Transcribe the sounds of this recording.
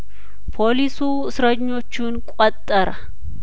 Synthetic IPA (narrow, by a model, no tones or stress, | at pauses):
pʰoːlisuːɪsɾɐɲːɔt͡ʃːuːnkʼɔt̪ʼːɐɾɐ